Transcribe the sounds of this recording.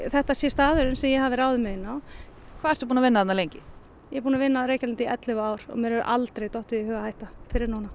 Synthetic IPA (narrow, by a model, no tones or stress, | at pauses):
θɛht̪asjɛst̪aːðʏɾɪnsɛmjɛɦavɪɾaːwðʏmɛɪnːawkʰvaðɛɾ̥t̪upuːnavɪnːaðanːalejɲcɪ | jɛɾpuːnavɪnːaɾeːjcanɪnt̪iʔɛt̪lɪɣʏaːwɾ̥ɔ̰ɣmjɛɾɛɾʏ̰ʔalt̪ɾejt̪ɔht̪ʏɛhœːɣahaːjht̪afɪɾɪɾnuːna